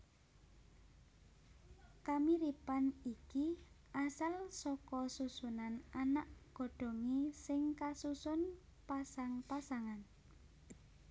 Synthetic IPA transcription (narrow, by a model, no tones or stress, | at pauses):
kamiɾipaniki | ʔasalsɔkɔsusunananaʔɡ̥o̤ɖ̥o̤ŋisɪŋkasusʊn | pasaŋpasaŋan